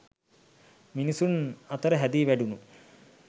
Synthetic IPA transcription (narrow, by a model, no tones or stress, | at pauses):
minisunɐt̪əɾəɦæd̪iːʋæɖunu